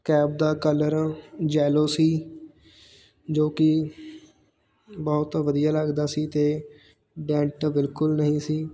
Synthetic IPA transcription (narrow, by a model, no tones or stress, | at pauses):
kɛːb̚d̪aːkələɾd͡ʒɛːloːsiː | d͡ʒoːkɪ | bɔːt̪ʋəd̪ijaːləɡd̪aːsiːt̪eː | ɖɛ̃ːɳʈbɪlkʊlnəɦĩːsiː